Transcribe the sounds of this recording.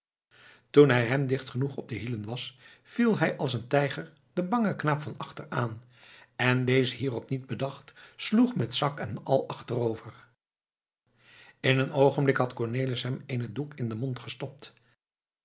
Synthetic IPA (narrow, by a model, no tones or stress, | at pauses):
tunɦɛjɦɛmdɪχtχənuχɔb̚dəɦilənʋɑsfilˠɦɛjʔɑlˠs̬əntɛjχəɹ | d̥əbɑŋəknaːpfɑnɑχtəɹaːn | ɛndejzəɦiːrɔpnid̚bədɑχtsluχmɛtsɑkɛnɑlˠɑχtərowvəɹ | ɪnənowχəmblɪkɦɑtkɔɹnejliəsɦɛmejnədukɪndəmɔntχəstɔp̚t